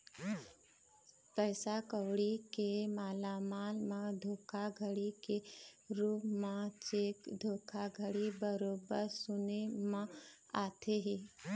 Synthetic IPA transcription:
pɛːsakəwɽikemaːlamaːlmãd̪ʱoːkʰaɡʱəɽikeɾuːpmãt͡ʃeːkd̪ʱoːkʰaɡʱəɽibəɾoːbəɾsʊnemã | aːt̪ʰeɦiː

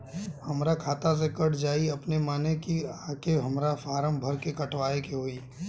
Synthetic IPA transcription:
hɐmɾakʰaːt̪as̬ekɐɽd͡ʒaːiɐpnemaːnekiaːkeɦɐmɾafaːɾəmbʱɐɾkekɐʈʋaːekeɦoːiː

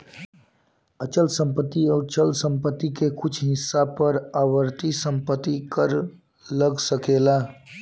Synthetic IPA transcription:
ət͡ʃəlsəmpət̪ːiɔːɾt͡ʃəlsə̃mpət̪ːikekʊt͡ʃʰɦɪsːapəɾaʋəɾt̪isə̃mpət̪ːikəɾ | ləɡsəkela

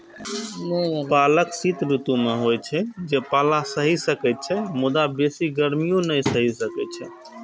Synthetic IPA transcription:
mobaləksit̪ɾut̪umeɦojt͡ʃʰɛd͡ʒepalasəɦisəkɛt̪̚t͡ʃʰɛmud̪abesiɡəɾmijõnəjsəɦisəkɛt̪t͡ʃʰɛ

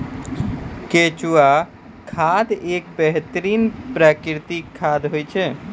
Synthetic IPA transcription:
ket͡ʃua | kʰaːd̪eːk̚bɛɦt̪əɾiːnpɾaːkɾɪt̪ikʰːaːd̪ɦoit͡ʃʰɛː

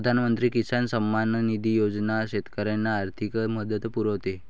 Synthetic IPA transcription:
əd̪ʱanmənt̪ɾiːkisansəmːannid̪ijod͡znaɕet̪kəɾjanːaːɾt̪ʰikməd̪ət̪puɾəʋt̪e

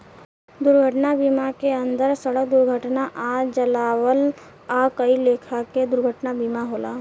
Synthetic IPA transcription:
d̪ʊɾɡʱəʈnabiːmakeə̃nd̪əɾsəɽək̚d̪ʊɾɡʱəʈnaʔad͡ʒəlaːwəl | aːkəileːkʰaked̪ʊɾɡʱəʈnabiːmaɦoːla̰ː

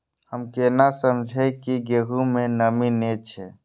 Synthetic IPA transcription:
həmkenasəmd͡ʒʱekiɡeːɦumẽnəminet͡ʃʰɛː

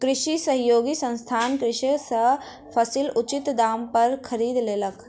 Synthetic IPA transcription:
kɾɪʃisɐɦjoːɡisɐ̃nst̪ʰaːnkɾɪʃəsɐ | pʰɐsilʊt͡ʃɪt̪d̪aːmpɐɾkʰɐɾiːd̪leːlək

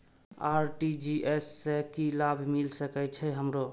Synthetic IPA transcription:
aɾʈid͡ʒiʔesːekilabʱmilsəkɛt͡ʃʰɛɦəmɾo

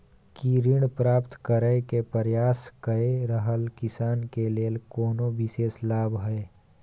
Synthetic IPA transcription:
kiɾɪɽpɾaːpt̪kəɾəekepəɾjaːskəeɾəɦəlkɪsaːnkeleːlkoːnoʋɪseːslaːbʱɦɛ

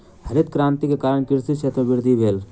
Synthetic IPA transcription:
həɾɪt̪̚kɾãːnt̪ikekaːɾəɳ̃kɪɾsit̪t͡ʃʰeːt̪ɾəʋɪɾd̪ʱiʋeːl

